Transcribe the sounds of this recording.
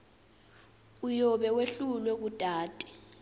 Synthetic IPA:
ujɔɓɛweɬulwɛk̬utʼaːtʼi̥

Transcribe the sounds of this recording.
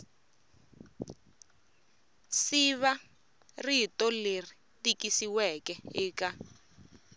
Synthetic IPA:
siβa | ritɔleri | tikisiwɛkɛiːka

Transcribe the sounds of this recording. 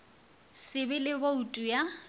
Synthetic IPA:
sɪbɪlɪboutʼuja

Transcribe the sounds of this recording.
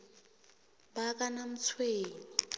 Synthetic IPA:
bak̬ʼanam̩t͡sʰweːni

